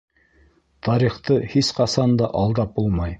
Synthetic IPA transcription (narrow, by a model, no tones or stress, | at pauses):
t̪ʰɑɾiχt̪ɤhisqɑsɑnd̪ɑʔɑlˠd̪ɑp̚bulˠmɑj